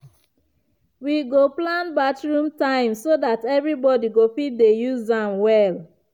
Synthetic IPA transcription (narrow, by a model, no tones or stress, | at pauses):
wiɡoplãnbatɹũmtãɪ̃msoðatɛvɹibɔdiɡofit̚dejuzãmwɛl